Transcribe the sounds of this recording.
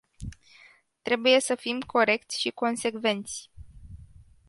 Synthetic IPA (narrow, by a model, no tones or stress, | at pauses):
t̪ɾe̞buje̞səfimkʰo̞ɾe̞k̚t̪sʲʃiko̞nse̞kve̞nt̪sʲ